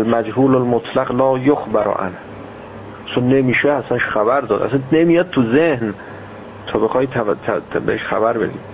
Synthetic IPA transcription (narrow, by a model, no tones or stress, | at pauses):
lmæd͡ʒhuːlolmot̪ʰlæqlɒːjoxbæɾ̰ʔæ̰nh | t͡ʃʰonːemiːʃeæsænʃxæbæɾd̪ɒːd̪ʔæ̰sænnemijɒd̪̚t̪ʰuzehn | t̪ʰɒːbexɒːjit̪ʰt̪ʰbeheʃxæ̰bæɾbe̞d̪iːd̪